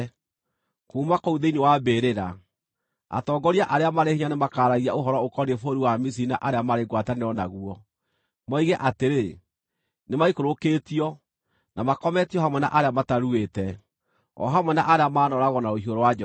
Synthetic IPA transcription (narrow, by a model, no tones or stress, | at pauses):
kuːmakouðeinewabeːɾeɾa | a̰tɔːɡɔɾiaʔaɾeamaɾehiɲanemakaːɾaɣiaoɦɔɾɔokɔnefoɾiwamis̬iinaʔaɾeamaɾeɡwataneɔnaɣuɔ | mɔiɣɛʔateɾe | nemaikoɾokeːtiɔ | namakɔmɛtiɔhamwɛna̰ʔaɾeamataɾuetɛ | ɔ̰ɦamwɛnaʔaɾeamaːnɔɾaɣɔnaohioɾɔwad͡ʒ